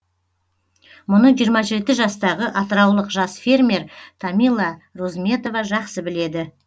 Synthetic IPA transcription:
mʊnəʒijəɾmɑʒe̞t̪ɪʒɑst̪ɑʁəʔɑt̪əɾɑwlˠəqʒɑsfe̞rmʲe̞ɾt̪ʰɑmijlˠːɑɾozme̞t̪o̞vɑʒɑqsəbɪle̞d̪ɪ

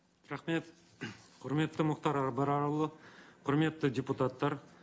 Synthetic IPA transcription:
ɾɑχme̞t̪ | qʰʊɾme̞t̪ːɪmʊqt̪ɑɾɑɾbɑɾɑɾlˠəqʰʊɾme̞t̪ːɪdʲeput̪at̪ːɑɾ

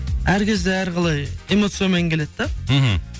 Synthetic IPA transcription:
æɾkʲʰe̞zd̪eæɾʁɑlˠɑjemo̞t̪sɨjameŋkʲʰe̞le̞d̪d̪m̩ɦ̩

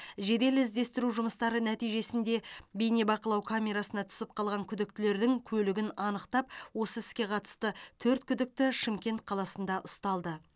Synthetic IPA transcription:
ʒe̞d̪e̞lɪzd̪e̞st̪ɪɾuʒʊməst̪ɑɾənæt̪ijʒe̞sɪnd̪e̞bejnebɑqəlˠɑwkʰamʲe̞ɾɑsənɑt̪ʰʏ̥sɪp̚qʰɑlˠʁɑŋkʲʰʏd̪ɪk̚t̪ɪle̞ɾd̪ɪŋkʲʰɵlɪɡʲɪnɑnəqt̪ɑp̚wo̞səɪskʲe̞qʰɑt̪ə̥st̪ət̪ʰɵɾt̪̚kʲʰʏd̪ɪk̚t̪ɪʃɪmkʲe̞nt̪̚qʰɑlˠɑsənd̪ɑʔʊst̪ɑlˠd̪ə

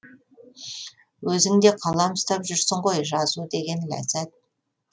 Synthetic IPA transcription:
wɵzɪŋd̪e̞qʰɑlˠɑmst̪ɑpʒʏɾsɪɴqo̞jʒɑzud̪e̞ɡʲe̞nlæ̰zæt̪̚

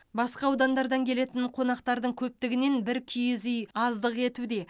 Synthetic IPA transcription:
bɑsqɑːwd̪ɑnd̪ɑɾd̪ɑŋkʲʰe̞le̞t̪ɪnqʰo̞nɑqt̪ɑɾd̪əɴkʲʰɵp̚t̪ɪɡʲɪne̞nbɪɾkʲʰijɪzʏjɑzd̪əqe̞t̪ud̪e̞

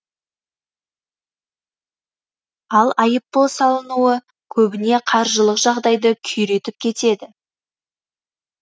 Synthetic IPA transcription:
ɑlˠɑjəp̚ːolˠsɑlˠənuə | kʲʰɵbɪne̞qʰɑɾʒəlˠəqʒɑʁd̪ɑjd̪əkʲʰʏjɾe̞t̪ɪp̚kʲʰe̞t̪e̞d̪ɪ

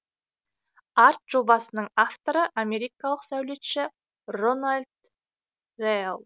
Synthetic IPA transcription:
ɑɾt̪ʒ̥o̞bɑsənəɴaft̪o̞ɾəʔamʲe̞ɾijkɑlˠəqsæwle̞t̪ʃɪ | ronalʲd̪ | rejlˠ

